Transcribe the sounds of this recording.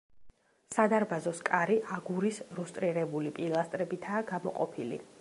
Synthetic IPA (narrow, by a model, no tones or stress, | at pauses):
sad̪aɾbazɔskʼaɾiʔaɡuɾisɾust̪ʼɾiɾɛbulipʼilˠast̪ʼɾɛbit̪ʰaːɡ̥amɔ̰qʼɔ̰pʰilḭ